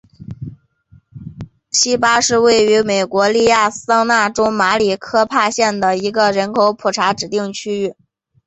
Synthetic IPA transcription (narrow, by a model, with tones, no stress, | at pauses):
ɕi˥pa˥ʂɻ̩˥˧we˥˩ɪy˧˥me˨˩ɪkwɔ˧˥li˥˧ja˥˩sɑ˥ŋna˥˩ʈ͡ʂo˥ʊma˧˥li˨˩kʰɤ˥pʰa˥˧ɕjɛ˥˩nd̪ə˩i˧˥ɡə˧ɻə˧˥nkʰo˧˥ʊpʰu˨˩ʈ͡ʂʰa˧˥ʈ͡ʂɻ̩˨˩t̪i˥˩ŋt͡ɕʰy˥y˥˩